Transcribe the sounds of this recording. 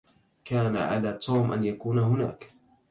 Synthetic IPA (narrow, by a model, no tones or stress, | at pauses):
kaːna̰ʕa̰laːt̪ʰuːmʔa̰njakuːnahʊna̰ːk